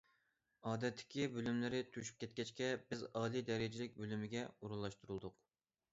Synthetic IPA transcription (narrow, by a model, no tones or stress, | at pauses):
ɑːd̪ɛt̪ʰːɪ̥kʲibølymlɪɾɪt̪ʰyʃy̥p̚kʲʰɛt̪̚kʲɛt͡ʃkʲɛb̥ɪzɑːlˠid̪ɛɾɪd͡ʒɪlɪk̚ʲbølymɪɡʲɛuɾulˠːɑʃt̪uɾulˠd̪ʊq